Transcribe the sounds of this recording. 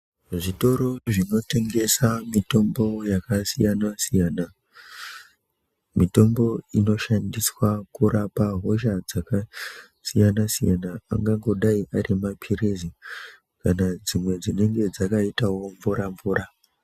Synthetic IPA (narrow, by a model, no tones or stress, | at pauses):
ʐito̞ɾo̞ʐino̞te̞ŋɡe̞samito̞mbo̞jakasijanasijaːna | mito̞mbo̞ino̞ʃandiswakurapaɦo̞ʃad͡zaka | sijanasijana̰ːŋɡaŋɡo̞ɗaiʔarimapʰiɾezi | kanad͡zimwe̞d͡zine̞ŋɡe̞d͡zakaitawo̞ɱvuɾaɱvuːra